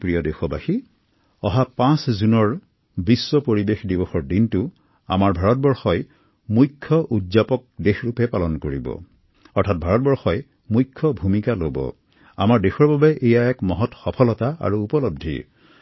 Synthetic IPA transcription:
pɹijɔdexɔbaxi | ɔɦapãszunɔɹ | biswɔpoɹibexdibɔxɔɹdintʊ | a̰maɹbʱaɹɔt̚bɔɹxɔj | mujkʰːɔʔudzapɔk̚dexɹupɛpalɔnkoɹibɔ̰ | ɔɹtʰat̚bʱaɹɔt̚bɔɹxɔj | mujkʰːɔbʱumikalobɔ̰ | a̰maɹdexɔɹbabɛʔejaɛkmɔɦɔtxɔpʰɔlɔtaa̰ɹuːpɔlɔb̚dʱḭ

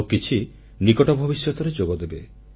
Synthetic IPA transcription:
kit͡ʃʰi | nikɔʈɔbʱɔbisjɔt̪ɔɾed͡ʒoɡɔd̪ebe

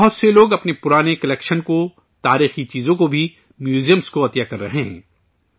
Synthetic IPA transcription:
bɐɦʊt̪seloːɡɐpnepʊɾaːnekɐlɛːkʃənko | t̪aːɾiːxit͡ʃiːzõkobʱi | mjuːzijə̃mzkoɐt̪jakɐɾːɐ̰ɦeɦɛ̰̃ː

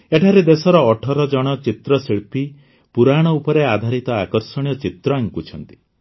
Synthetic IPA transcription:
eʈʰaɾed̪esɔɾɔːʈʰɔɾɔd͡ʒɔɽ̃ɔt͡ʃit̪ɾɔsiɭpi | puɾaɽ̃ɔupɔɾead̪ʱaɾit̪ɔakɔɾsɔɽ̃ijɔt͡ʃit̪ɾɔaŋkut͡ʃʰɔnt̪i̥

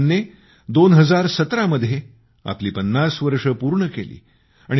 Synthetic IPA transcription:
nːe | d̪onɦəd͡zaɾsət̪ɾaməd̪ʱje | a̰pliːpənːasʋəɾʂəpuːɾɳəkelḭː | a̰ɽ̃

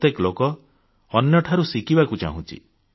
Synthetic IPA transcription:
t̪jeklokɔ | ɔnjɔʈʰaɾusikibakut͡ʃa̰ɦũt͡ʃʰḭ

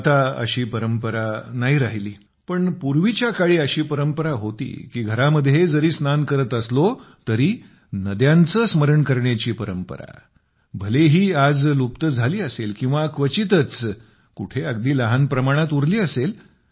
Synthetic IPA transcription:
at̪aə̰ɕiːpəɾəmpəɾanaɦiɾaɦliː | pəɳpuɾʋit͡ɕjakaɭiːəɕiːpəɾəmpəɾaɦot̪ḭːkiːɡʱəɾaməd̪ʱːjed͡zəɾiːsnankəɾət̪əslot̪əɾiː | nəd̪jãnt͡səsməɾəɳkəɾɳjat͡ɕiːpəɾəmpə̰ɾa̰ | bʱəleɦiːad͡zlupt̪əd͡zʱaliːəselkĩw̃ʋakʋət͡ɕit̪ət͡s | kuʈʰeəɡd̪iːləɦanpɾəmaɽ̃at̪uɾliːəsel

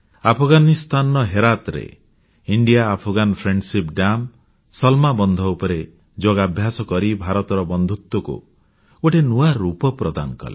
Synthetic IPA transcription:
apʰɔɡanist̪ʰanɔɦeɾat̪ɾḛ | iɳɖijaːpʰɔɡanpʰɾeɳɖsipɖam | sɔlmabɔnd̪ʱɔupɔɾe | d͡ʒoɡabʱjasɔkɔɾibʱaɾɔt̪ɔɾɔbɔnd̪ʱut̪wɔkṵ | oʈʰenuaɾupɔpɾɔd̪a̰nkɔ̰lḛ

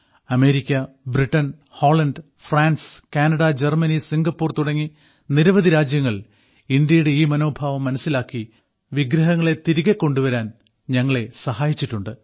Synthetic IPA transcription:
ɐme̞ːɾikʲːɐ | briʈːɐn | ho̞ːɭɐnɖɨ | fraːnskaːnɐɽɐd͡ʑermɐnisiŋɡɐpːuːrt̪uɽɐŋːi | niɾɐʋɐðiɾaːd͡ʑjɐŋːɐɭ | ind̪jɐjuɽe̞iːmɐno̞ːbʱaːʋɐmːɐnɐsːilaːkːi | ʋiɡɾɐɦɐŋːɐɭe̞t̪iɾiɣekːo̞ɳɖuʋɐɾaːn | ɲɐŋːɐɭe̞sɐɦaːjit͡ɕːiʈːuɳɖɨ

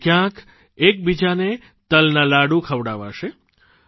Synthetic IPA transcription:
kjãk | ek̚bid͡ʒane | t̪əlnãlaɽũkʰəʋɽaʋa̰ʃe

